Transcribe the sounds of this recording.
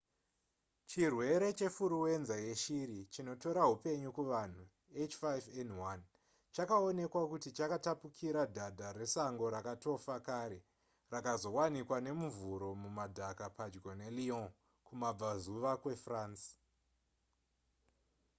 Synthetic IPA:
t͡ʃirwe̞ɾe̞t͡ʃe̞fuɾuwe̞nzaje̞ʃiɾit͡ʃino̞to̞ɾaɦupe̞ɲukuʋan̤u | et͡ʃfavenwan | t͡ʃakao̞ne̞kwakutit͡ʃakatapukʰiɾadʱadʱare̞saŋɡo̞ɾakato̞fakaɾe̞ | rakazo̞wanikwane̞muvuɾo̞mumadʱakapad͡ʒɡo̞neliõ | kumab͡vazuʋakwe̞fraːns

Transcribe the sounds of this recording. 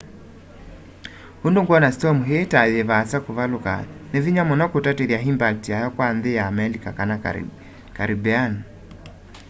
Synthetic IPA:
hondoŋɡwɔnastɔmuɦetaðeβasakoβaloka̰neviɲamɔnɔkotateɾjaɦimbak̚tiajɔkwanðejaːmɛlikakana | kaɾibɛan

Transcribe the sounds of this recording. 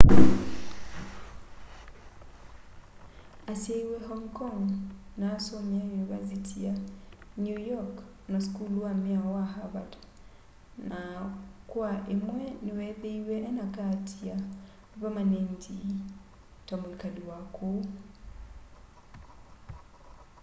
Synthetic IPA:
asiɛiwɛɦɔŋkɔŋnaːsɔmiaunivazitʰianjujɔk | naskuluamiawaɦaβad | nakuaʔemwɛniwɛðeiwɛʔɛnakatʰia | pamanɛnti | tamulikaɗiwakʰo

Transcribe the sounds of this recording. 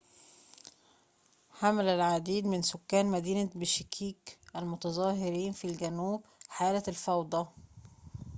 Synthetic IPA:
ħamælælʕad̪iːd̪mɪnsʊkːæːnmæd̪iːnabɪʃɪkʰiːkʔælmʊt̪ɑzˤɑːɦɪɾiːnfilɡænuːbħaːlælfɑwd̪ˤɑ

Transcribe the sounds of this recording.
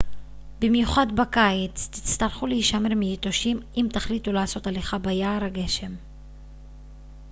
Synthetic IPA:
bimjuχadbakajet͡st̪i̥t͡st̪aʁχuleiʃameʁmiit̪o̞ʃimimt̪aχlit̪ulaːso̞taleχabajaːɾaɡe̞ʃe̞m

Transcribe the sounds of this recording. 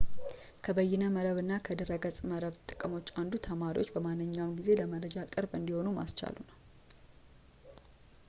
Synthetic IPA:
kʰəbəjːɪnəməɾəβɨnːakʰəd̪əɾəɡəsʼməɾəβt̪ʼɨkʼəmo̞t͡ʃːand̪ut̪ʰəmaɾḭwo̞t͡ʃːbəmanːɨɲːawnɡize̞ləməɾəd͡ʒakʼɨɾbɨnd̪iho̞numa̰st͡ʃa̰lunəw

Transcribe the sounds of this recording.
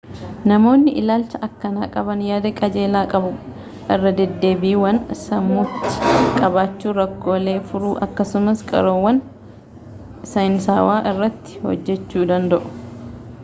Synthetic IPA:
nɐmo̞ːnːɪʔɪlaːlt͡ʃɐʔɐkːɐnaːkʼɐbɐnjaːd̪ɐkʼɐd͡ʒe̞ːlaːkʼɐbʊ | ʔɪrːɐd̪ɛd̪ːe̞ːbiːwɐnsɐmːʊt̪ːɪ̥kʼɐbaːt͡ʃːuːɾɐkːo̞ːle̞ːfʊɾuːʔɐ̰kːɐsʊmɐskʼɐ̰ɾoːwːɐn | sɐjɪnsaːwaːʔɪrːɐt̪ːɪ̥hɔ̰d͡ʒːɛt͡ʃːuːd̪ɐnd̪ɐʔʊ̥

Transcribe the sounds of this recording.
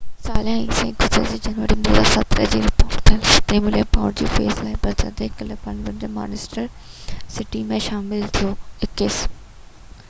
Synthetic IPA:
saːljãːĩːsẽːɡʱʊsə̰ld͡ʑiːd͡ʑɐnʋəɾimoːɾa̰sɐt̪ɾəd͡ʑiːɾɪpoːʈtʰilt̪ẽːmɪlepaːʊɾd͡ʑḭːfeːslaːɪbɐtə̰t̪ekələpɐnʋɪ̃ɳɖəma̰ːnɪsʈəɾ | sɪʈimẽʃaːmɪlt̪ʰijoɪkeːs

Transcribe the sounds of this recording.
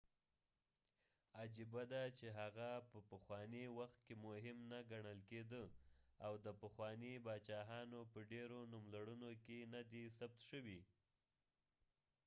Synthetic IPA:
ad͡ʒibad̪at͡ʃeɦaɣapəpəxwɑniwaxt̪̚kemʊɦɪmnaɡaɳəlked̪əawd̪əpəxwɑnibɑt͡ʃɑɦɑnopəɖeɾonumlaɽunokenad̪isab̚t̪ʃəwi

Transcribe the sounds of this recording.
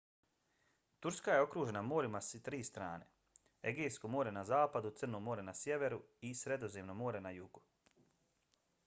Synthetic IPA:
t̪uɾskaje̞o̞kɾuːʒe̞namo̞ːɾimast̪ɾiːst̪ɾa̰ːne̞̰ | ḛɡeːskomo̞ːɾe̞nazaːpad̪ut̪sɨr̩nomo̞ːɾe̞nasje̞ʋe̞ɾuisɾe̞d̪o̞zeːmno̞mo̞ːɾe̞najuːɡ̥u

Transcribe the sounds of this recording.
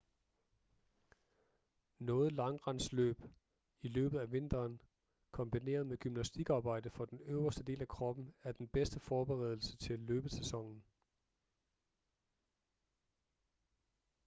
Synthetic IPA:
nɔ̽ːð̩ˠlɑ̈ŋʁɑ̈nslø̰ːb̥ | ilø̰ːb̥ð̩ˠæʋe̝nd̥ɐːn | kʰɒ̽mb̥ine̝̰ːɐð̞̩ˠmeɡ̥ymnæsd̥iɡ̥ɑ̈ːb̥ɑ̈ɪ̰d̥əfɒ̽d̥enøʊɐsd̥əd̥e̝̰ːlækʰʁɒ̽b̥n̩æɐd̥enb̥esd̥əfɒːb̥eʁɛ̰ðˠl̩sət͡sʰe̝lːøːb̥ð̩ˠsesɒ̽ŋ̰n̩

